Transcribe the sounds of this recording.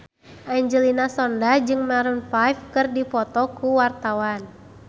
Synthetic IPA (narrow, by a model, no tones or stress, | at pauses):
ʔaiɲd͡ʒəlinasɔndad͡ʒɨŋmaɾunfajfkɨrdifɔt̪ɔkuwart̪awan